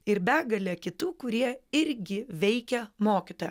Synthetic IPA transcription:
ɪɾbʲæːɡɐlʲɛːkʲɪt̪uːkʊɾʲiɛɪɾʲɡʲɪʋʲɛɪkʲɛmoːkʲit̪oːjɛ

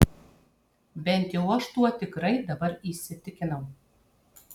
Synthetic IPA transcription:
bʲɛnʲt̪ʲjɛwɐʃt̪uɔt̪ʲɪkɾɐɪd̪ɐbɐɾisʲɪt̪ʲɪkʲɪnɛw

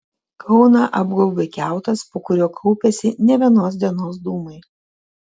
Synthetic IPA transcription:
kʰɒʊnɑʔɐbɡɔʊbʲekʲæˑʊt̪ɐspoːkʊɾʲoːkʰɐʊpʲɛsʲɪnʲɛʋʲiɛnoːs̬d̪ʲiɛnoːs̬d̪uːmɐɪ

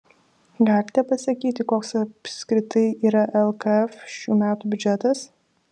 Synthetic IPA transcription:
ɡɑlʲɪt̪ʲɛpɐsɐkʲiːt̪ʲɪkoːksɐpʲsʲkɾʲɪt̪ɐɪiːɾɐʔɛlˠkɐɛfʃʲuːmʲæːt̪uːbʲʉd͡ʒʲɛt̪ɐs

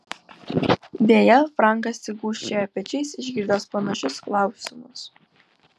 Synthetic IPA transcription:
d̪ʲeːjɛfɾɑˑŋˑkɐsːʲɪɡuːʃʲt͡ʃʲejɐpʲɛt͡ʃʲɛɪsɪʒʲɡʲɪɾd̪oːspɐnɐʃʲʊsklˠɑˑʊsʲɪmʊs

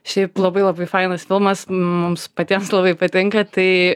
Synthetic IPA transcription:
ʃʲɛɪplˠɐbɐɪlˠɐbɐɪfɐɪnɐsfʲɪlˠmɐsmʊmspɐt̪ʲiɛmslˠɐbɐɪpɐt̪ʲɪŋkɐt̪ɐɪ

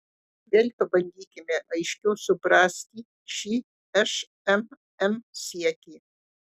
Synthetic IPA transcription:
d̪ʲeːlʲpɐbɐnʲd̪ʲiːkʲɪmʲeʔɐjʃʲkʲɛʊsʊbɾaːsʲt̪ʲiː | ʃiː | ɛʃ | ɛm | ɛmsiɛtʲiː

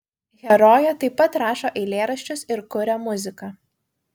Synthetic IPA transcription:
ɣʲɛɾoːjɛt̪ɐɪpːɐt̪ɾɑːʃoːʔɛɪlʲeːɾɐʃʲt͡ʃʲʊsɪɾkʊɾʲɛmʊzʲɪkɑ

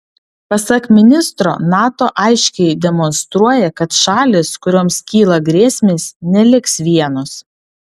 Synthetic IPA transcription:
pɐsɐkmʲɪnʲɪst̪ɾo̰ːnɑːt̪oːʔɐɪʃʲkʲɛɪd̪ʲɛmɔnst̪ɾuɔjɛkɐt̪ʃɑːlʲɪskʊɾʲoːmskʲiːlˠɐɡɾʲeːsʲmʲeːsnʲɛlʲɪksʋʲiɛnʊs

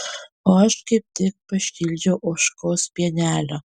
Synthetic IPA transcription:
oːɐʃkɐɪp̚ʲt̪ʲɪk̚pɐʃʲkʲɪlʲd͡ʒʲɛʊʔoːʃkoːspʲiɛnʲæːlʲo

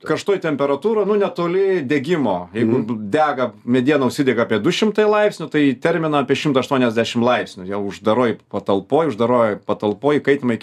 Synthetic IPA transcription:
kɐʃt̪oːjt̪ʲɛmʲpʲɛɾɐt̪uːɾoːnʊnʲɛt̪oːlʲɪd̪ʲɛɡʲɪmoːjɛɪɡʊd̪ʲæːɡɐmʲɛd̪ʲiɛnɐʊʃʲsʲɪd̪ʲɛɡɐɑːpʲiɛd̪ʊʃʲɪmt̪ɐɪlˠɐɪpʲsʲnʲʊt̪ɐɪt̪ʲɛɾʲmʲɪnɐɑːpʲiɛʃʲɪmt̪ɐɐʃt̪uɔnʲɛzʲd̪ʲæʃʲɪmlˠɐɪpʲsʲnʲʊjɛʊʒd̪ɐɾoːjpɐt̪ɐlˠpoːjʊʒd̪ɐɾoːjɛpɐt̪ɐlˠpoːjɪkɐɪt̪ɪmɐɪ

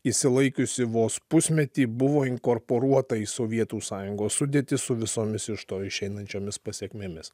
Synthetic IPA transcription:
isʲɪlˠɐɪkʲʊsʲɪʋoːspʊsʲmʲɛt̪ʲiːbʊʋoːɪŋkoɾpoːɾuɔt̪ɐisoʋʲiɛt̪uːsɑːjʊŋɡoːssʊd̪ʲeːt̪ʲɪsʊʋʲɪsoːmʲɪsɪʃt̪oːɪʃʲɛɪnɐnʲt͡ʃʲoːmʲɪspɐsʲiɛkʲmʲemʲɪs

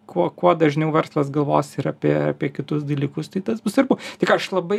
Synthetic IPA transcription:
kuɔkuɔd̪ɐʒʲnʲɛʊʋʲɛrslˠɐsɡɐlˠʋoːsɪɾɐpʲiɛɐ̰pʲiɛkʲɪt̪ʊsd̪ɐlʲiːkʊst̪ɐɪt̪ɐsbʊsɐɾbut̪ʲɪkɐʃlˠɐbɐɪ

